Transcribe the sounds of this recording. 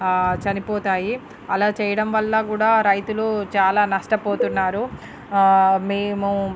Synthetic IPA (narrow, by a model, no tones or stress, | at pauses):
t͡ʃɐnipɔːt̪aːji | ɐlaːt͡ʃɛːjɐɽɐmʋɐlːɐkuːɽaːɾɐjt̪ulut͡ʃaːlaːnɐʂʈɐpoːt̪unːaːɾu | meːmu